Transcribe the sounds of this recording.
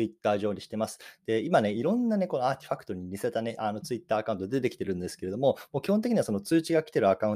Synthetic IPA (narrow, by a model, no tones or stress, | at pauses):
it̪ːaːʑo̞ːɲ̟iɕi̥t̪e̞masɨ̥d̪̥e̞imane̞iɾõ̞nːane̞ko̞noaːt̪ʲe̥ɸakɯ̟̥t̪oɲ̟iɲʲiset̪ane̞ʔano̞t͡sɨit̪ːaːkaɯ̃nt̪o̞d̪ed̪e̞kʲi̥t̪e̞ɾɯ̟̃nd̪e̞sɨ̥keed̪o̞mo̞mo̞ːkʲihõnt̪ekʲiɲ̟iβasonot͡sɨːt͡ɕiɡakʲi̥t̪e̞ɾɯ̟akaɯ̟̃